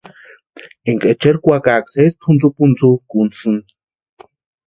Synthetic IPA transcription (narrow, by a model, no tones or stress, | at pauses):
eŋkʼet͡ʃeɾkʷakaːksespʰunt͡supunt͡sukunt͡sɨn